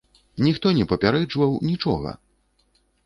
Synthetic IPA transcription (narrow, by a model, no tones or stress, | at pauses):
nʲixt̪ɔnʲɛpɐpʲaɾɛd͡ʐvɐwnʲit͡ʂɔɣɐ̰